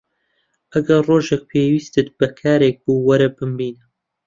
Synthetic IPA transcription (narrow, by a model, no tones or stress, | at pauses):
ʔɐɡɐɾroːʒek̚pʰeːwiːst̪ɨt̪̚bɐkʰaːɾeːk̚buːwɐɾɐbɨmbiːnɨ